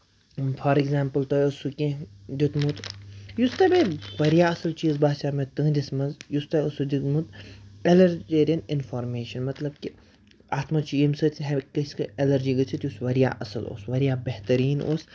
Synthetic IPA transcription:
fʰɔːɾiɡzaːmpɨlt̪ojɐsukʲẽd̪ʲit̪mut̪just̪ɐbeʋɐɾijaːɐsɐlt͡ʃiːzbaːt͡ʃaːmet̪ɨ̃ːd̪ismɐnzjust̪ɐɐsud̪ʲit̪mut̪elɐɾd͡ʒeːɾiɐnɪnfoːɾmeːʃɐnmɐt̪lɐbki | aːt̪ʰmɐt͡ʃʰijimsɐt̪ʲɦekɐskɨelɐɾd͡ʒiːɡɐt͡ʃʰit̪jusʋɐɾija̰ːʔɐsɐlo̰ːsʋɐɾijaːbeht̪ɐɾiːno̰ːs

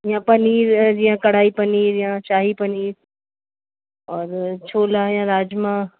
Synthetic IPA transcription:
jãpɐniːɾd͡ʑiːjãkɐɽ̤aːipɐniːɾjãt͡ʃaːɦipɐniːɾ | ɔːɾt͡ʃʰoːlajãɾaːd͡ʒmã

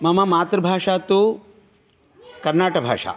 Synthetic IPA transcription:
mɐmɐmaːt̪ɾɐbʱaːʂaːt̪u | kɐɾnaːʈɐbʱa̰ːʂa̰ː

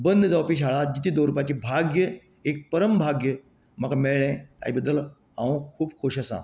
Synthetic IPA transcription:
bənd̪əd͡zawpiːɕ̬aɭad͡ʑit̪ʰid̪oɾupat͡ɕiːbʱaɡjə | ek̚pəɾəmbʱaɡjə | m̤əɡameɭɭẽt̪a̰jibəd̪ːəl | a̰ʋə̃kʰuːb̚kʰoɕəsã̰

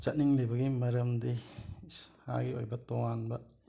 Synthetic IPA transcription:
t͡ʃɐt̚niŋlebɐɡimɐɾɐmd̪i | ha̰ɡiojbɐt̪ɔŋanbɐ

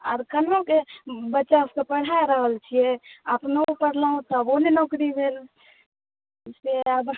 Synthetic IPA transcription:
ɔɾkənokebətːʃaʊskepəɽ̤aɾəɦəlt͡ʃʰieəpnoupəɽlaũt̪ɔbonenɔːkɾibʱeːl | seəb

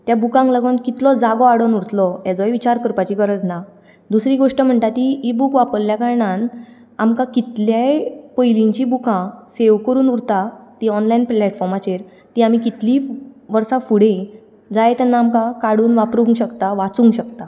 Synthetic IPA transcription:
t̪jabukãŋkləɡənkit̪lɔd͡zaɡɔaɽənuɾt̪lɔɛd͡zɔjʋit͡ɕaɾkəɾpat͡ɕikəɾət͡sna | d̪usɾiːɡoʂʈəm̤əɳt̪at̪iibukʋapəɾljakaɾɳãn | amkãkit̪ljapəjliɲt͡ɕibukãseʋkəɾuːnuɾt̪at̪iɔnlainplɛʈfɔɾmat͡ɕeɾ | t̪iam̤ikit̪liʋəɾsafuɽe | d͡zajt̪janːaːmkãkaɽuːnʋapɾuŋɡɕəkt̪aʋat͡sũŋɡɕəkt̪a

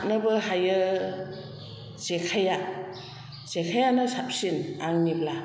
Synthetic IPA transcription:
t̚nɯbɯɦajɯ | sekʰaja | sekʰajanɯsap̚sinaŋnibla

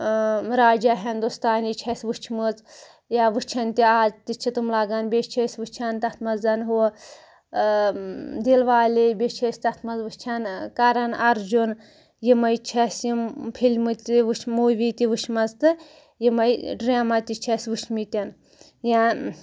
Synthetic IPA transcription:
ɾaːd͡ʒaɦʲɐnd̪ost̪aːnit͡ʃʰɐsʲʋut͡ʃʰmɨz | jaʋɨt͡ʃʰɐnt̪iaːzt̪it͡ʃʰit̪umlaɡɐnbʲet͡ʃʰɐsʲʋɨt͡ʃʰɐnt̪ɐt̪ʰmɐzɐnɦo | d̪ilʋaːlebʲet͡ʃʰɐsʲt̪ɐt̪ʰmɐzʋɨt͡ʃʰɐnkɐɾɐnɐɾd͡ʒun | jimɐjt͡ʃʰɐsʲjimpʰilʲmɨt̪ʲʋɨt͡ʃʰmuːʋit̪iʋɨʃʰmɐzt̪ɨ | jimɐjɖɾʲaːmɐt̪ʲit͡ʃʰɐsʲʋuʃʰmit̪ʲɐn | ja

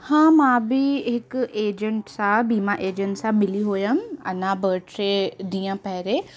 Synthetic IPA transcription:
hãːmãːbɪɦɪkeːd͡ʒə̃ɳʈsãbiːmaʔeːd͡ʒə̃ɳʈsãɓɪliɦoːjãmɐ̰nãbəːʈɾeːd̪iːãpɐɦɪɾeː

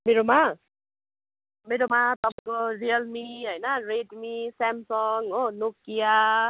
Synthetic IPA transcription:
miɾɔma | miɾɔmat̪ɔmkɔɹiəlmiɦəjnaɹedmisɛmsɔŋonukːija

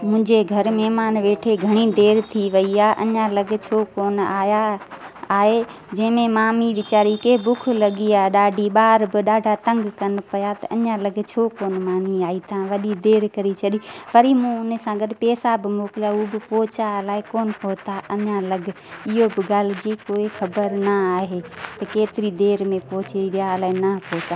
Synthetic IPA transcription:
mʊ̃ɪ̃ɲd͡ʑeɡʱɐɾmɛɦmaːnʋeːʈʰeɡʱɐɽ̃id̪eːɾt̪ʰiʋɐiaːɦʔɐɲãlɐɡ̆ʱt͡ɕʰoːkoːnaːja | aːɦe | d͡ʑɐ̃ɦɪ̃mẽmaːmiʋɪt͡ɕaːɾikeːbʊk̆ʰlɐɠiaːɗaːɖʱiɓaːɾbɪɗaːɖʱat̪ɐ̃ŋɡkɐnɪ̆pɐjat̪ɐʔɐɲãlɐɡt͡ɕʰoːkoːnmaːmiaːit̪ɐãʋɐɗid̪eːɾkɐɾit͡ɕʰɐɗiʋɐɾimũʊnsãɡɐɗpɛːsabɪmoːkɪljaubɪpɔːt͡ɕalaːɪkoːnɦoːt̪aʔɐɲãlɐɡʱ | ɪɦobɪɡaːl̤ɪd͡ʑikoːixɐbəɾnɐaːɦet̪ɐkeːt̪ɪɾid̪eːɾmẽpɔɦt͡ɕiiʋɪjalaːɪnɐpɔːt͡ʃaː

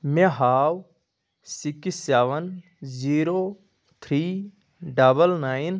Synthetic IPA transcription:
mẽɦaːw | sikisɛːʋən | ziːɾoː | t̪ʰɾiː | ɖabəlnaːin

